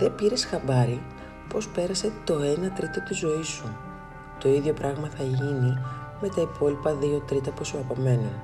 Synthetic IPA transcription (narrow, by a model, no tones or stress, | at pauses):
ðe̞piɾe̞sxɐbɐɾi | po̞spe̞ɾɐse̞t̪o̞e̞nɐt̪ɾit̪ot̪izo̞isu | t̪o̞iðʝo̞pɾɐɣmɐθɐʝinime̞t̪ɐipʰo̞lipɐðio̞t̪ɾit̪ɐpusuɐpome̞nu